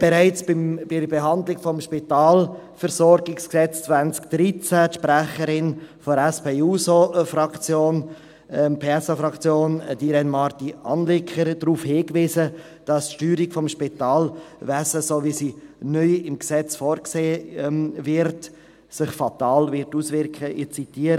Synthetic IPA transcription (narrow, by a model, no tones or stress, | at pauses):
b̥ɛɾæɪt͡sb̥ɪmb̥ɪbɛɦɑnd̪lɪɡfɔmʃpitaːlfəɾsɔɾɡɪksksɛt͡st͡svænt͡skd̥ɾit͡sæʃpɾæχəɾɪnfɔɾɛspʰeːuːsofrɑkt͡sjoːn | pʰeɛsofɾɑkt͡sjoːnd̥iɾɛnmɑɾtiɑ̰nlɪkʰəɾd̥ɾuːfhɪːkviːsə | d̥ɑstʃtyːɾɪkfɔmʃpitɑːlvæsəsovisinœʏɪmksɛt͡sfɔːɾkseː | vɪɾt | sɪχfɑtɑːlvɪɾtuːsʋɪɾkχəɪt͡sitiːəɾ